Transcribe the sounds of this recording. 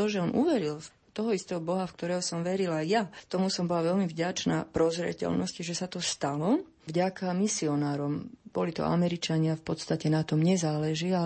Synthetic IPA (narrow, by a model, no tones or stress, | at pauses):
ɔʒɛɔnʔuʋɛɾil | t̪ɔɦɔist̪ɛːɦɔbɔɦafk̚t̪ɔɾɛːɦɔsɔmʋɛɾilajat̪ɔmusɔmbɔlaʋɛlmivɟat͡ʃna̰ːpɾɔzɾɛ̰cɛ̰lnɔsciʒɛsat̪ɔst̪alɔ | vɟakamisiɔnaːɾɔmb̥ɔlit̪ɔ̰ʔa̰mɛɾit͡ʃaɲɪafpɔt̪st̪acɛnat̪ɔmɲɛzaːlɛʒia